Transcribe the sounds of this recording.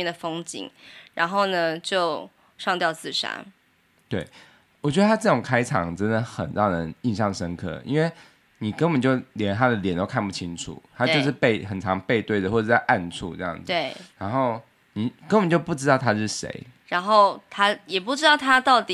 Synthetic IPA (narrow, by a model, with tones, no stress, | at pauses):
ɛ˥˩d̪ə˩fo˥ŋt͡ɕḭ˨˩˦ŋɻa˧˥nxo˥˩ʊnə˩t͡ɕjo˥˧ʊ | ʂɑ˥˧ŋt̪jɑ˥˧ʊt͡sɹ̩˥˨ʂa̰˥n | t̪we˥˩ɪ | wɔ˨˩t͡ɕɥɛ˧˥d̪ə˧t̪ʰa˥ʈ͡ʂɤ˥˩o˨˩ŋkʰa˥ɪʈ͡ʂʰɑ̰˨˩ŋʈ͡ʂə˦nd̪ə˨xə̰˨˩ntɑ˥˩nə˧˦ni˥˧nɕɑ˥˩ŋʂə˥nkʰɤ̰˥˩ḭ˥nwe˥˩ɪ | ni˨˩kə˥˦npə˨nt͡ɕjo˥˩ʊljɛ˧˦nt̪ʰa˦d̪ə˨ljɛ˨˦nt̪o˥˧kʰa˥˧npu˥˩t͡ɕʰi˥ŋʈ͡ʂʰṵ˨˩˦t̪ʰa˥˦t͡ɕjo˥˧ʊʂɻ̩˥˧pe˥˧ɪxə˨˩nʈ͡ʂʰɑ˧˦ŋpe˥˧ɪt̪we˥˩ɪdə˩xwɔ˥˧˩ʂ̩˥˩t͡sa˥˧ɪʔa˥˧nʈ͡ʂʰṵ˥˧ʈ͡ʂɤ˥˧jɑ̰˥˩ŋd͡ze˥˩ɻa˧˦˥nxo˥˩ʊ | ni˨˩kə˥npə˨nt͡ɕjo˥˧ʊpu˥˩ʈ͡ʂɻ̩˥t̪ɑ˥˩ʊt̪ʰa˥ʂɻ̩˥˩ʂḛ˧˥ɪ | ɻa˧˥nxo˥˩ʊt̪ʰa˥jɛ˨˩pu˥˩ʈ͡ʂɻ̩˥ɑ˥˩ʊt̪ʰa˥t̪ɑ˥˩ʊt̪i˨